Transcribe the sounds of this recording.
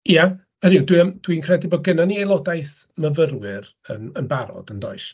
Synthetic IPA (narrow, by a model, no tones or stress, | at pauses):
ja | ənidwiəmd̥winkʰrɛdɪbɔɡənaniejlˠɔdajθməvərwɨr | ənənbaɾɔ̰dəndɔ̰ɨʃ